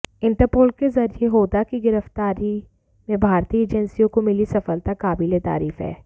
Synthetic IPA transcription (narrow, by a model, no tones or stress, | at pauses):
ɪ̃ɳʈəɾpoːlkezɐɾijeɦoːd̪akiɡɪɾəft̪aːɾi | mẽbʱaːɾt̪iːeːd͡ʒənsijõkomɪlisɐfəlt̪akaːbɪlet̪a̰ːɾiːfɦɛ̰ː